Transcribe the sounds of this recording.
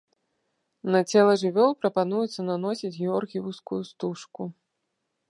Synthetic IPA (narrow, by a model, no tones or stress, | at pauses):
nɐt͡sʲɛlˠɐʐɨvʲɔlˠpɾɐpanujut̪sːɐnanɔsʲid͡zʲɣʲiɔrɣʲiwskujust̪uʂku